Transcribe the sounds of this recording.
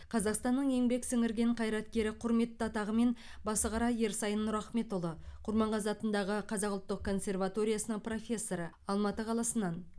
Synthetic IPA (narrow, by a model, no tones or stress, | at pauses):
qʰɑzɑqst̪ɑnːəɴe̞ŋbe̞ksɪŋɪɾɡʲe̞ɴqʰɑjɾɑt̪kʲe̞ɾɪqʰʊɾme̞t̪ːəɑt̪ɑʁəme̞nbɑsəʁɑɾɑje̞ɾsɑjənːʊɾɑχme̞t̪ʊlˠəqʰʊɾmɑɴʁɑzɑt̪ənd̪ɑʁəqʰɑzɑqʊlˠt̪ːəq̚kʰːo̞nsʲe̞rvat̪o̞ɾʲijasənəɴpro̞fʲe̞sːo̞ɾə | ɑlˠmɑt̪əqʰɑlˠɑsənɑn